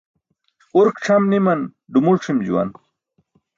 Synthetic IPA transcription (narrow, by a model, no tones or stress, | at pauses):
uɾkʈ͡ʂʰɐmnimɐn | ɖumulʈ͡ʂʰimd͡ʑṵwɐ̰n